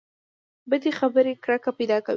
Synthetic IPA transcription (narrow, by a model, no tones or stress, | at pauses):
bəd̪exabəɾekɽakapajd̪ɑkaw